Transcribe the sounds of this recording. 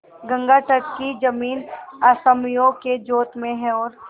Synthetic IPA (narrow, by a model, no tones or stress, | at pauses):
ɡə̃ŋɡaʈəʈkid͡ʒɐmiːnaːsəmjoɡked͡ʒoːt̪mẽɦɛ̃ɔːɾ